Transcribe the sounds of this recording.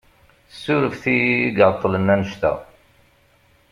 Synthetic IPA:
θəsːʊɾəfθiɡəʕt̪ˤːələnːænəʃt̪æ̰

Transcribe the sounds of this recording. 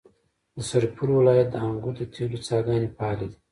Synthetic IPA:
d̪əsaɾpʰuɾwɪlɑjat̪̚d̪əaŋɡud̪ət̪ʰelut͡sɑɡɑnepɑːlid̪i

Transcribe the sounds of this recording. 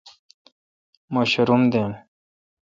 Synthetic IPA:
maɕɾumd̪en

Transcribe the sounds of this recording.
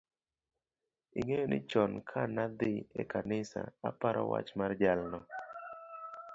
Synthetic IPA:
iŋejonɪt͡ʃɔnkʰanad̪ɪekanɪsa̰apaɾɔ̰wa̰t͡ʃmard͡ʒalnɔ

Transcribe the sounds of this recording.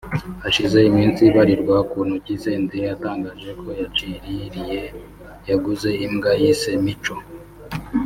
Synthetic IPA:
aʃize̞imiːnsiβaɾiɾɡwakuːnhuciseːndejataːŋɡaːʒe̞kʰo̞jat͡ʃiɾiɾije | jaɡuze̞imɡajisemit͡ʃo̞

